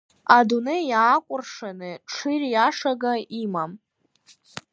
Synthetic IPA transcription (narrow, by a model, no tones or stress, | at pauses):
adunejaːkʷʼʊrʂanɨʈ͡ʂʰɨrjaʂaɡaimam